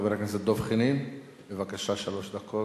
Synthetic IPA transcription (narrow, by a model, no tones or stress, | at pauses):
beɾakenzed̪o̞vχinin | bevakaʃaʃalo̞ʃd̪akʰo